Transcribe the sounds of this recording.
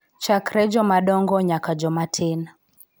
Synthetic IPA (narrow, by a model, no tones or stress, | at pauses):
t͡ʃakɾɛd͡ʒɔmaɗɔŋɡɔɲakad͡ʒɔmatʰɪn